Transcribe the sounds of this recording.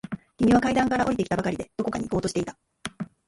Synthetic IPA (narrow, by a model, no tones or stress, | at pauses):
kʲimʲiβakaid̪ãŋkaɾaʔo̞ɾit̪e̞ki̥t̪abakaɾʲid̪e̞d̪̥o̞ko̞kaɲiko̞ːt̪o̞ɕi̥t̪e̞it̪ḁ